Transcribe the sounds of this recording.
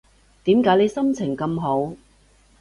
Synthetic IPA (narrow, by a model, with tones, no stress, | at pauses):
t̪iː˨˥mkaː˨˥jle˨˧jsɐ˥mt͡sʰɪ˨˩ŋkɐ˧mɦo˨˥w